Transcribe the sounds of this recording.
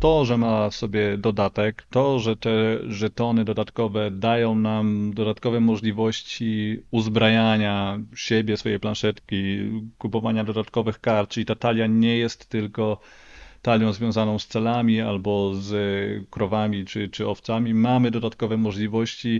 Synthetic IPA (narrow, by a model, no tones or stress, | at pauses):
t̪ɔʐɛmafsɔbʲjɛd̪ɔd̪at̪ɛkt̪ɔʐɛt̪ɛʐɛt̪ɔnɘd̪ɔd̪at̪kɔvɛd̪ajɔ̃w̃namd̪ɔd̪at̪kɔvɛmɔʐlʲivɔɕt͡ɕiuzbɾajaɲaɕebʲjɛsfɔjejplanʂɛt̪kʲikupɔvaɲad̪ɔd̪at̪kɔvɘxkaɾt̪̚t͡ʂʲit̪at̪alʲjaɲɛjɛst̪ːɘlkɔ | t̪alʲjɔ̃w̃zvʲjɔ̃w̃zanɔ̃w̃st̪sɛlamʲia̰lbɔzkɾɔvamʲit͡ʂɘt͡ʂɘɔft̪samʲimamɘd̪ɔd̪at̪kɔvɛmɔʐlʲivɔɕt͡ɕi